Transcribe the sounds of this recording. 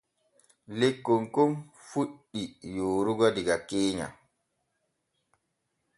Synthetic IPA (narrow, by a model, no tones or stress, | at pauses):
lekːoŋkom | fuɗːijoːɾuɡɔdiɡakeːɲa̰